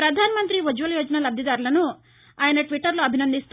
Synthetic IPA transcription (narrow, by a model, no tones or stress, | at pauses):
ɾɐd̪ʱaːnɐmɐnt̪ɾiʋɐd͡ʒuʋɐljoːd͡ʒɐnalɐbd̪jɐd̪aːɾulɐnu | aːjɐnɐʈʋiʈːɐɾloɐbʱinɐnd̪ist̪